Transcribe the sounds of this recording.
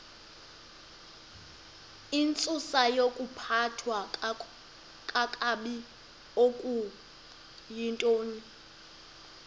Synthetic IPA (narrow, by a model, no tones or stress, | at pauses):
int͡sʼusajokʼupʰatʰwa | kʼakʼaɓi | okʼu | jintʼoːni